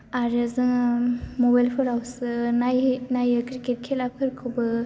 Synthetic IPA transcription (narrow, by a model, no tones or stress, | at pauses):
aɾɯzɯŋmobajlpʰɯɾawsɯnajnajɯkɾiket̚kʰelakʰɯɾkʰɯwbɯ